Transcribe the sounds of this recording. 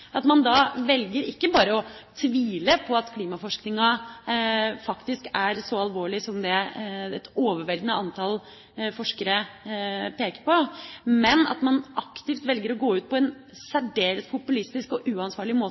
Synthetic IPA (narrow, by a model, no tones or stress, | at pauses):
ʔɑt̪mɑnd̪ɑʋɛlɡəɾɪkːəbɑːɾəɔt̪ʰʋiːləpʰɔɑt̪kʰliːmɑfɔʂknɪŋɑ | fɑkt̪ɪskæɾsɔɑlʋoːɭɪsɔmd̪ɛɛt̪oːʋəʋɛlɡ̪nəɑnt̪ʰɑl | fɔʂkəɾə | peːkəɾpɔmɛnɑ̰t̪mɑnʔɑkt̪ɪft̪ʋɛlɡəɾɔɡoːʉːt̪̚pʰɔɛn | sæɖeːɾət̪pʰʊpʉlɪst̪ɪskɔʔʉːɑnsʋɑːɭɪmoː